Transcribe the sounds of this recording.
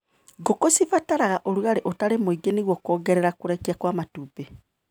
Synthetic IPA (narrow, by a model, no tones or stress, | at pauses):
ɡokosivataɾaɣaʔoɾuɣaɾeʔotaɾemoiɡeniɣwɔkɔːɡɛɾɛɾakoɾɛkiakwamatupe